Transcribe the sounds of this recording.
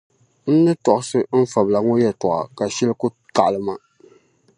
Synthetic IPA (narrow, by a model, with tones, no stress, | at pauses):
n̩˦nɨ˦tɔ˨ʔʊ˦sɨ˦m̩˦fa˨bla˨ŋɔ˦jɛ˦tɔ˨ʔa̰˨ka˨ʃɛ˦lɨ˦kʊ˦ | ta˨ʔlɨ˨ma˦